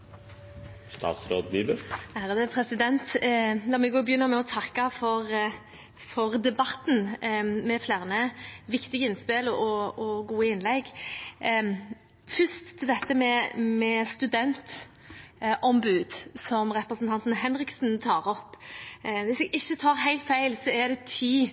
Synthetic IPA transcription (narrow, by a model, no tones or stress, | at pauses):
st̪ɑ̰ːt̪sɾoːd̪niːbəææːʁd̪əpʰɾɛsɪd̪ɛnt̪lɑːmɛɡobəjʏnːəɾmɛɔt̪ʰɑkɑfɔɾ | fɔʁd̪ɛbɑt̪n̩mɛflæːʁnəʋɪkt̪ɪɡəɪnspɪlɔɔɡuːəɪnlɛɡ | fʏst̪ʰːɪld̪ɛt̪ːəmɛmɛst̪ʉd̪ɛnt̪ | ʔɔmbʉːd̪sɔmɾɛpɾəsnt̪ɑnt̪n̩ɦɛnɾɪksn̩t̪ʰɑːɾɔpː | ʋɪsɛɡɪçːət̪ʰɑːɾɦæɪlt̪fæɪlsɔɛd̪ɛt̪ʰiː